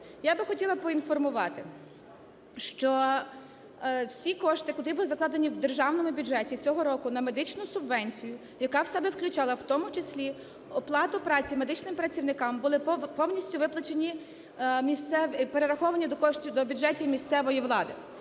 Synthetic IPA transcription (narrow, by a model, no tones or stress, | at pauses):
jabɪxɔtʲilˠɐpɔinfɔrmʊʋɑt̪ɪ | ʃt͡ʃɔ | wsʲikɔʃt̪ɪkɔt̪ɾibʊlˠɪzɐklˠɑd̪enʲiwd̪erʒɑwnɔmʊbʲʊʒɛtʲit͡sʲɔɦɔɾɔkʊnɐme̞d̪ɪt͡ʃnʊsʊbʋɛnʲt͡sʲijʊ | jɐkɑwsɛbɛwklʲʊt͡ʃɑlˠɐwt̪ɔmʊt͡ʃesʲlʲi | ɔplˠɑt̪ʊpɾɑt͡sʲimed̪ɪt͡ʃnɪmpɾɐt͡sʲiwnɪkɑmbʊlˠɪpɔwnʲisʲtʲʊʋɪplˠɐt͡ʃenʲi | mʲist̪sɛʋpeɾeɾɐxɔʋɐnʲid̪kɔʃʲd̪ɔbʲʊdʒɛtʲiwmʲist̪sɛʋɔjiʋlˠɑd̪ɪ